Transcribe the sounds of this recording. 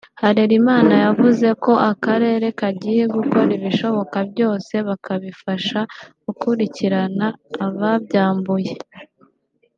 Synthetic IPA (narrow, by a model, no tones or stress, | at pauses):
haɾeɾimaːnajavuze̞ko̞ʔakaɾe̞ːɾe̞kaɟiːje̞ɡuko̞ɾiβiʃo̞βo̞kabjo̞ːse̞βakaβifaʃaɡukuɾiciɾanaːβabɟaːmbuje̞